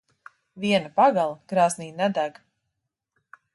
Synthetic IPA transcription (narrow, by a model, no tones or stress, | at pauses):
viɛnapaɡalˠɡ̥ɾaːzniːnɛd̪æɡ